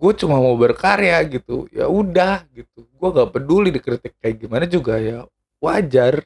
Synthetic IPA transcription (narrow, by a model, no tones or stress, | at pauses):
ɡuat͡ʃumamawbərkaɾeaɡit̪ṵja̰udahɡit̪uɡuaɡaʔpədulidikɾit̪ɪk̚ːajɡimanad͡ʒuɡaja | wad͡ʒar